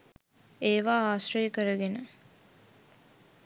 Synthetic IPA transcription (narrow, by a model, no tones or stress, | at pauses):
eːʋaːaːsɾəjəkəɾəɡenə